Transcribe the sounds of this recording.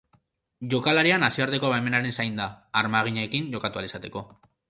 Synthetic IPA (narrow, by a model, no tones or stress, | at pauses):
ʝo̞kalaɾianasiaɾt̪e̞ko̞βaeme̞naɾe̞nsajnd̪aːɾmaɣ̞iɲekiɲʝo̞kat̪ualisat̪e̞ko̞